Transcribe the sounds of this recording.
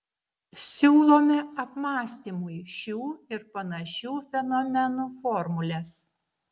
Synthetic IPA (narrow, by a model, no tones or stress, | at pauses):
sʲuːlˠoːmʲɪɐpmɑːsʲt̪ʲiːmuiʃʲuːɪɾpɐnɐʃʲuːfʲɛnɔmʲɛnuːfɔːɾmʊlʲɛs